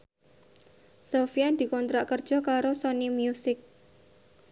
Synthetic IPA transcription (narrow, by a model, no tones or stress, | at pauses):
sofiad̪̥i̤kɔnt̪ɾaʔkərd̥ʒ̥ɔ̤kaɾosɔnimjusɪk̚